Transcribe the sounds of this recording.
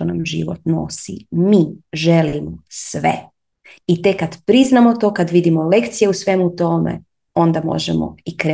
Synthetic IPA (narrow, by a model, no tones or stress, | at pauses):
onamʒḭʋo̰t̪no̰sḭmiːʒelimosʋḛ | it̪ekːad̪pɾiznamo̞t̪okad̪ʋid̪imole̞kt̪sijeusʋe̞mut̪o̞mḛ | o̞nd̪amo̞̰ʒɛmo̰ikɾe